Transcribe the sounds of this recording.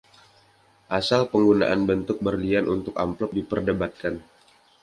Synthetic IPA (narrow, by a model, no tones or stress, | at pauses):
ʔasalpəŋɡuna̰ʔanbənt̪ʊk̚bərlianʔunt̪ʊka̰mplɔk̚dipərdəbat̪̚kan